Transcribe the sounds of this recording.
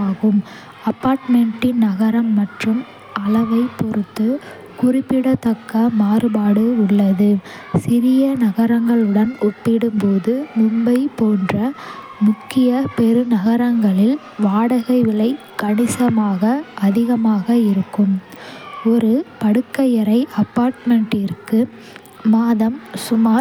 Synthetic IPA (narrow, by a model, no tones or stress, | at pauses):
aːɣɯm | ɐpːaːɾʈmɛɳʈɪnnɐɣɐɾɐmːɐʈrɯm | ɐɭɐʋɐɪpɔɾɯt̪ːɯ | kʊrɪpːɪɽɐt̪ːɐkːɐmaːɾɯbaːɽɯʊɭːɐðɯ | sɪɾɪjɐnɐɣɐɾɐŋɡɐɭɯɽɐnɔpːɪɽɯmpoːðɯmʊmbɐɪpoːndrɐ | mʊkːɪjɐpɛɾɯnɐɣɐɾɐŋɡɐɭɪl | ʋaːɽɐɣɐɪʋɪɭɐɪ | kːɐɳɪsɐmaːɣɐɐðɪɣɐmaːɣɐɪɾɯkːɯm | ɔɾɯpɐɽɯkːɐjɐɾɐɪʔɐpːaːɾʈmɛɳʈɪrkɯ | maːðɐmsʊmaː